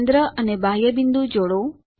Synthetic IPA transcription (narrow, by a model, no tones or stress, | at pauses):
nd̪ɾəʔənebajəbind̪ud͡ʒoɽo